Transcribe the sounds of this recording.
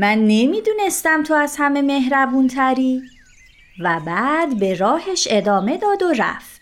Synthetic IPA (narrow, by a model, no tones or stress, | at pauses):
mænːemiːd̪uːne̞st̪æmt̪ʰo̞æzhæme̞me̞ɦɾævuːnt̪ʰæɾiː | væbæːd̪be̞ɾɒːheʃe̞d̪ɒːme̞d̪ɒːd̪oɾæ̰ft̪